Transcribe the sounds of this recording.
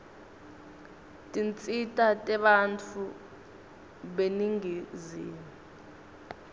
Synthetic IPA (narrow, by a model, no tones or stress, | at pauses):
tʼint͡sʼitʼatʼɛɓant͡fʰu | ɓeniŋiziːm | u